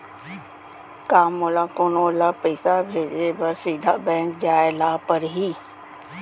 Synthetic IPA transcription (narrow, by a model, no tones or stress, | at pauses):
kaːmːolaːkoːnoːlapəɪsabʱeːd͡ʒebəɾsiːd̪ʱaːbɛ̃ːŋkd͡ʒaːelaːpəɾɦiː